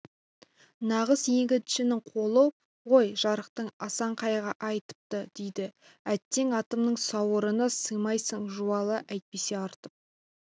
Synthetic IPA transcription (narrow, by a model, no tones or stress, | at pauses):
nɑʁəsje̞ŋɡʲɪd̪ʃɪnɪŋqʰo̞lˠə | wojʒɑɾəq̚t̪əɴɑsɑɴqʰɑjʁɑʔɑjt̪ə̥p̚t̪əd̪̥e̞jd̪ɪ | æt̪ːe̞ŋɑt̪əmnəɴsɑwəɾənɑsəjmɑjsəɴʒuɑlˠəʔæjt̪̚pe̞se̞ɑɾt̪əp̚